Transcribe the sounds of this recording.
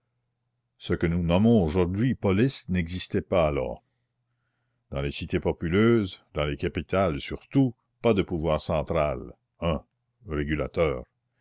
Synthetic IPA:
səkənunɔmɔ̃oʒuʁd̪ɥipɔlɪsnɛɡzist̪ɛpaːlɔ̰ːʁ | d̪ɑ̃lesit̪epɔpyløːzd̪ɑ̃lekapit̪ʰalesyʁt̪u | pad̪əpuvwaːʁsɑ̃t̪ɾal | œ̃ | ʁeɡyla̰t̪œːʁ

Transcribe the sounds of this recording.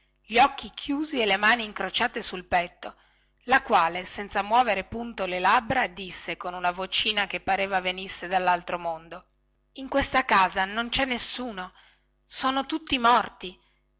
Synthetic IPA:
ʎɔkːikʰjuːzielemaːniːŋkɾot͡ʃaːt̪esulpɛt̪ːo | lakwaːlesɛnt̪samwɔːveɾepunt̪olelabɾad̪isːekonunavot͡ʃiːnakepːaɾeːvavenisːed̪alːalt̪ɾomond̪o | iŋkwest̪akaːzanont͡ʃɛnːesːuːno | soːnot̪ut̪ːimɔrt̪i

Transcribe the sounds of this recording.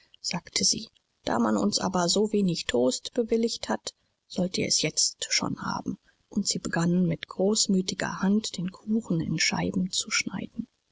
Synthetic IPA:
z̥aːktʰəzḭː | d̥a̰ːmanʊ̰nsʔa̰ːbɐzoːveːnɪçtʰoːstb̥əvɪlɪçthat | z̥ɔltiːɐɛ̰sjɛt͡stʃo̰ːnha̰ːbm̩ | ʔʊntz̥iːbəɡanənmɪtɡ̥ʁoːsmyːtɪɡɐ̰hantd̥eːnkʰuːxn̩ɪ̰nʃa̰ɪbm̩t͡suʃna̰ɪdn̩

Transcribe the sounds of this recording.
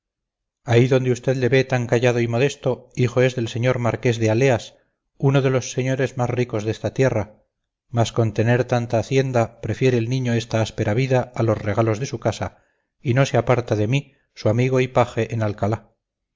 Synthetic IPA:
aiðo̞nd̪eust̪eðle̞βe̞t̪aŋkaʝað̞oimo̞ð̞e̞st̪o̞iχo̞e̞zðe̞lse̞ɲo̞ɾmaɾke̞zðeale̞as | uno̞ðe̞lo̞sːe̞ɲo̞ɾe̞zmasriko̞zðe̞st̪at̪je̞ra | masko̞nt̪e̞ne̞ɾt̪ant̪aːθje̞nd̪apɾe̞fje̞ɾeːlnĩɲo̞e̞st̪aaspe̞ɾaβiðaːlo̞sre̞ɣalo̞zðe̞sukasa | ino̞seapaɾt̪aðe̞mi | suamiɣo̞ipaxe̞ʔenalkala

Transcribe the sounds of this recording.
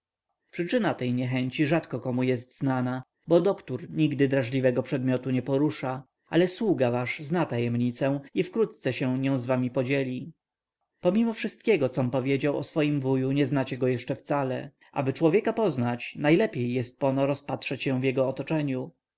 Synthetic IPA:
pʂɘt͡ʂɘnat̪ɛjɲɛxɛɲt͡ɕiʐat̪kɔkɔmujɛst̪znana | bɔd̪ɔkt̪uɾɲiɡd̪ɘd̪ɾaʐlʲivɛɡɔpʂɛd̪mʲjɔt̪uɲɛpɔɾuʂa | a̰lɛswuɡavaʂznat̪ajɛmɲit̪sɛ̃ifkɾut̪̚t̪sɛɕɛ̃ɲɔ̃w̃zvamʲipɔd͡ʑelʲi | pɔmʲimɔfʂɘst̪̚kʲɛɡɔt̪sɔmpɔvʲjed͡ʑawɔ̰sfɔjimvujuɲɛznat͡ɕɛɡɔjɛʂt͡ʂɛft̪salɛ̰ | ʔa̰bɘt͡ʂwɔvʲjɛkapɔznat͡ɕnajlɛpʲjejːɛst̪̚pɔnɔɾɔspat̪ʂɛt͡ɕɕɛ̃w̃vjɛɡɔːt̪ɔt͡ʂɛɲu

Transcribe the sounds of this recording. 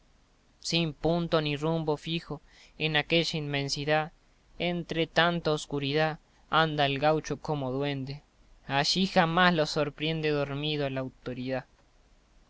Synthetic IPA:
simpunt̪o̞nirumbofixo | enakeʒainmẽnsiðað | ent̪ɾet̪ant̪aoskuɾiða | and̪aelɡawt͡ʃokomoðwend̪e | aʃixamaslosoɾpɾe̞nd̪eðoɾmiðolaːwt̪oɾiða

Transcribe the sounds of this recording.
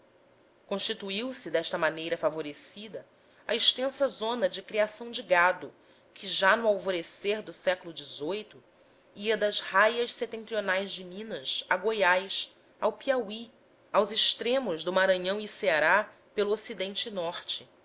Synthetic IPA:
kõʃt͡ʃit̪uiwsɪd̪ɛʃt̪ɐmanejɾɐfavoɾesid̪ɐ | a̰iʃt̪ẽsɐzõnɐd͡ʒɪkɾiasɐ̃w̃d͡ʒɪɡad̪ʊ | kʰɪʒanʊawvoɾeseɾd̪ʊsɛkʊlʊd͡ʒɪzojt̪ʊ | iɐd̪ɐzhajɐʃset̪ẽnt̪ɾionajzd͡ʒɪmĩnɐsaɡojajs | awpiawi | awzɪʃt̪ɾẽmʊʒd̪ʊmaɾɐ̃ɲɐ̃w̃iseaɾa | pelʊosid̪ẽnt͡ʃɪnɔχt͡ʃɪ

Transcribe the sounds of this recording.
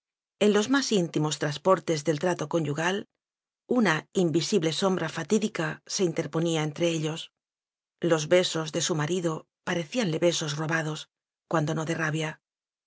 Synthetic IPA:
e̞nlo̞zmasint̪imo̞st̪ɾaspo̞ɾt̪e̞zðe̞lt̪ɾat̪o̞ko̞nʲɟuɣal | unaimbisiβle̞so̞mbɾafat̪iðikase̞int̪e̞ɾpo̞niaent̪ɾe̞eʎo̞s | lo̞zβe̞so̞zðe̞sumaɾiðo̞ | paɾe̞θianle̞βe̞so̞zro̞βaðo̞s | kwand̪o̞no̞ðe̞raβja

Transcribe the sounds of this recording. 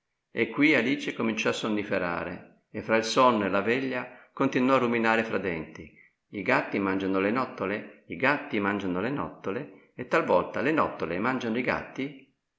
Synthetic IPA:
ekːwialiːt͡ʃekomint͡ʃɔasːonːifeɾa̰ːɾḛ | efːɾailsɔnːoelavɛʎːakont̪inwɔaruminaːɾefɾad̪ɛnt̪i | iɡat̪ːimand͡ʒanolenɔt̪ːoleiɡat̪ːimand͡ʒanolenɔ̰t̪ːole | et̪ːalvɔlt̪alenɔt̪ːolemand͡ʒanoiɡa̰t̪ːi

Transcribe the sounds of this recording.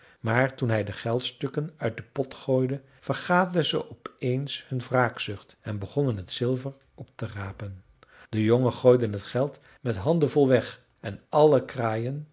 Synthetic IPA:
maːɹtunɦɛjdəχɛlˠtstɵkənœɥt̚dəpɔtχoːjdə | v̥əɹχaːdəlˠdəzə̰ʔɔpejnshɵnvraːksʏχtɛnbəχɔnənɦətsɪlˠvər | ɔp̚təraːpən | d̥əjɔŋənχoːjdənɦətχɛlˠt | mɛtɦɑndəvɔlˠʋɛχ | ɛnɑləkraːjən

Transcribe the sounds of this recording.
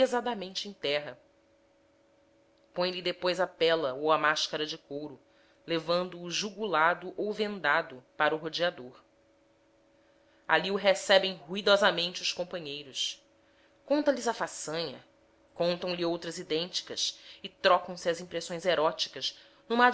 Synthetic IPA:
ezad̪ɐmẽnt͡ʃɪẽj̃t̪ɛɦɐ | põj̃lɪd̪epojzɐpɛlɐowɐmaʃkɐɾɐd͡ʒɪkowɾʊ | levɐ̃nd̪ʊːʒuɡulad̪ʊʔowvẽnd̪ad̪ʊpaɾʊɦod͡ʒiad̪oɾ | a̰liuɦesɛbẽj̃ɦuid̪ɔzɐmẽnt͡ʃɪuskõpɐ̃ɲejɾʊs | kõnt̪ɐlɪzɐfasɐ̃ɲɐ̰ | kõnt̪ɐ̃w̃lɪowt̪ɾɐzid̪ẽnt͡ʃi̥kɐsɪt̪ɾɔkɐ̃w̃sɪɐzĩpɾesõj̃zeɾɔt͡ʃi̥kɐz | nũmɐ

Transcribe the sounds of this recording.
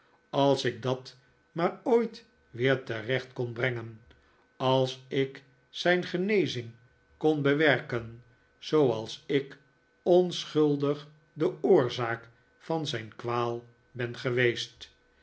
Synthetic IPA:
ɑlˠsɪɡ̚dɑt | maːɹoːjt | ʋɪːɹtərɛχtkɔnbrɛŋən | ɑlˠsɪk | sɛjnχənejzɪŋ | konbəʋɛɹkən | z̥owɑlˠsɪk | ɔnsχɵlˠdəχ | dəʊːɹzaːk | fɑnzɛjnkʋaːlˠ | bɛnχəʋejst

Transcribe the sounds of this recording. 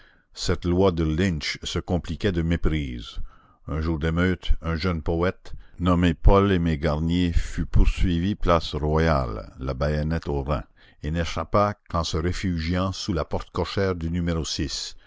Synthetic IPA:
sɛt̪lwad̪əlɪ̃nʃsəkɔ̃plikʲɛd̪əmepʁiːz | œ̃ʒuːʁd̪emøːt̪œ̃ʒœnpɔɛt̪nɔmepɔlemeɡaʁnjefypuʁsɥiviplasʁwaja̰lːabajɔnɛt̪oʁɛ̰̃ | eneʃapakɑ̃səʁefyʒjɑ̃sulapɔʁt̪kɔʃɛːʁd̪ynymeʁosis

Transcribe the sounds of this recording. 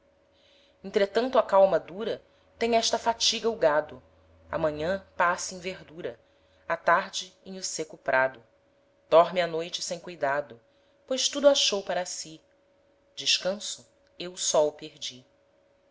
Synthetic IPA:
ẽnt̪ɾet̪ɐ̃nt̪ʊɐkawmɐd̪uɾɐ | t̪ẽj̃ɛʃt̪ɐfat͡ʃiɡɐʊɡad̪ʊ | ɐ̰mɐ̃ɲɐ̃pasẽj̃veɾd̪uɾɐ | at̪aɾd͡ʒɪẽj̃ʊsekʊpɾad̪ʊ | d̪̥ɔɾmɪanojt͡ʃɪ̥sẽj̃kujd̪ad̪ʊ | pojʃt̪ud̪ʊaʃowpaɾɐsi | d͡ʒɪʃkɐ̃sʊ | ewsɔʊpeɾd͡ʒi

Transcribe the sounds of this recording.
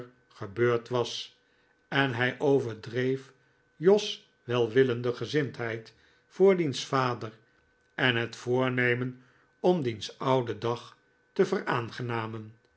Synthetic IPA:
χəbøːɹtʋɑs | ɛnɦɛjʔowvəɹdrejf | jɔs | ʋɛlˠʋɪləndəχəzɪntɦɛjt | fʊːɹdinsfaːdər | ɛnɦətfʊːɹnejmən | ɔmdinsɑwdədɑχ | təvərʔaːnχənaːmən

